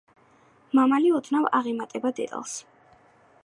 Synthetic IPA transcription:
mamaliɔt̪ʰnavaʁɛmat̪ʼɛbad̪ɛ̰t̪ʼa̰lˠs

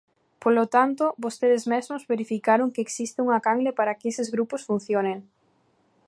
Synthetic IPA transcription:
polot̪ant̪ʊbost̪eðɪzmezmʊzβeɾifikaɾʊŋkeːksist̪ɪuŋakaŋɡlepaɾɐkɪesɪzɣɾupʊsfun̟θjoneŋ

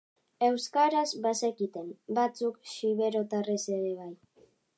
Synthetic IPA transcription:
e̞wskaɾazβasekit̪e̞mbat͡sukʃiβe̞ɾo̞t̪are̞seɾe̞β̞aj

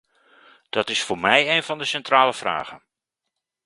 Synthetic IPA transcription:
d̥ɑtɪsfʊːɹmɛjejnvɑndəsɛntraːləv̥ra̰ːχən

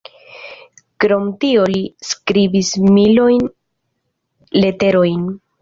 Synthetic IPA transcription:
kɾo̞mtioliskɾibismilo̞jn | le̞te̞ɾojn

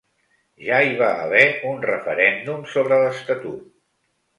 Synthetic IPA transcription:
ʒaiβaə̰βɛunrəfəɾɛnd̪umsoβɾələst̪ət̪ṵt̪̚

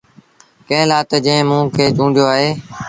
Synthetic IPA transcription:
kə̃ɦlaːt̪ːd͡ʒə̃ɦɪ̃mũːkʰeːt͡ʃũːɳɖʱjoːaːɦeː

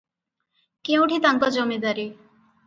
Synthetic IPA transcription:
kẽũʈʰit̪aŋkɔd͡ʑomed̪aɾi

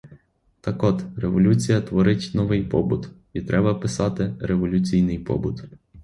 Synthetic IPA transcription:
t̪ɐkɔd̪ɾeʋɔlʲut͡sʲijɐt̪ʋɔɾɪtʲnɔʋɪjpɔbʊt̪ | it̪ɾʔɛbɐpɪsɑt̪ɪɾe̞ʋɔlʲʊt͡sʲijnɪjpɔ̰bʊt̪

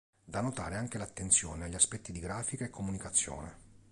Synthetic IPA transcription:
d̪anːot̪a̰ːɾeaŋk̟elat̪ːent̪sjɔ̰ːneaʎːiaspɛt̪ːid̪iɡɾaːfikaekʰːomunikat̪sːjo̰ːnḛ

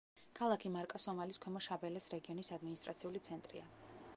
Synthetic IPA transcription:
kʰalˠakʰimaɾkʼasɔmaliskʰwɛmɔʃabɛlɛsɾɛɡiɔnisad̪minist̪ʼɾat̪sʰiulit̪sʰɛnt̪ʼɾḭa

